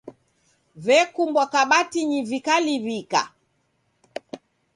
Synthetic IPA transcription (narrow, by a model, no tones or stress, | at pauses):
vɛkumbwakaɓatiɲivikaliβika̰